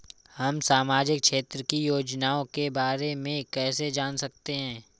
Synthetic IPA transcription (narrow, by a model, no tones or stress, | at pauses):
hɐmsaːmaːd͡ʒɪkʃeːt̪ɾəkijoːd͡ʒnaːõkebaːɾemẽkɛːsed͡ʒaːnsɐk̚t̪eɦɛ̃ː